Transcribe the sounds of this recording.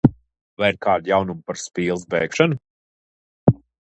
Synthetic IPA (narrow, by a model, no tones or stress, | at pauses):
vajiɾkaːd̪jawnumpaɾspʲiːlˠsbɛːkʃanu